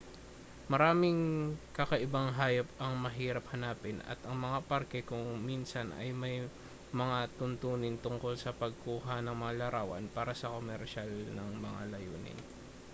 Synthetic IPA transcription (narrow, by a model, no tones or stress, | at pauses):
mɐɾaːmɪŋkɐkɐʔɪbaŋɦaːjɐp̚ɐŋmɐɦiːɾɐp̚hɐnaːpɪnɐ̰t̪ʔɐŋmɐŋapɐɾkɛkʊŋminsɐnʔɐ̰jmɐj | mɐŋat̪ʊnt̪uːnɪnt̪ʊŋko̞lsɐpɐɡ̚kuːɦɐnɐŋmɐŋalɐɾʔaːwɐ̰npaːɾɐsɐkomɛɾʃalnɐŋmɐŋa̰lɐjuːnɪ̰n